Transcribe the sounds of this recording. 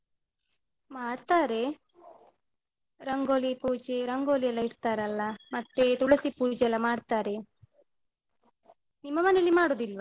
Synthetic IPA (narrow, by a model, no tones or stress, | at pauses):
maːɽt̪aːɾe̞ | ɾɐŋɡoːlipuːd͡ʒeɾɐŋɡoːlijɐlːɐiɽt̪aːɾɐlːɐmɐt̪ːe̞t̪uɽɐsipuːd͡ʒɐlɐmaːɽt̪aːɾe̞ | nimːɐmɐnelimaːɽoːd̪ilʋa